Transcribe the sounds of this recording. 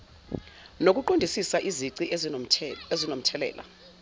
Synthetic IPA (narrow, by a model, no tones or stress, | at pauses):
nok̬ʼuǃondʱisisaʔiziǀi | ezinom̩tʰɛlɛ̰ːla̰